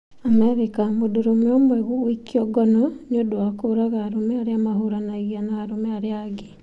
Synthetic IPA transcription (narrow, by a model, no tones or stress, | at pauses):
amɛɾekamodoɾomeɔmwɛɣuːikiɔɡɔnɔɲodowakoːɾaɣaːɾomɛaɾeamaɦoɾanaiɣanaːɾomɛaɾeaɡe